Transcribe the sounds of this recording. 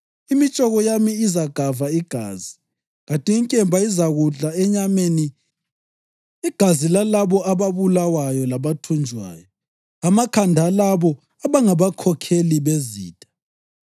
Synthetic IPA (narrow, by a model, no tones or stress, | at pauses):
imit͡ʃʼɔɣɔjamiizaɡ̥ʱavaiɡ̥ʱa̰ːzi | ɣatʼiiŋkʼɛmbʱaizaɣuɮaɛɲameni | ɡ̥ʱazilalaβɔaβaβulawajɔlaβatʰund͡ʒʱwa̰ːjɔ | amakʰandʱalaβɔ | aβaŋaβakʰɔkʰeliβezḭːtʼḁ